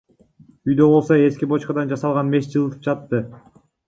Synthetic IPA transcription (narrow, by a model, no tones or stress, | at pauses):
yjd̪ø̞bo̞lˠso̞e̞skʲibo̞t͡ʃqɑd̪ɑnd͡ʒɑsɑlˠʁɑnme̞sd͡ʒɯlˠɯt̪ɯ̥p̚d͡ʒɑt̪ːɯ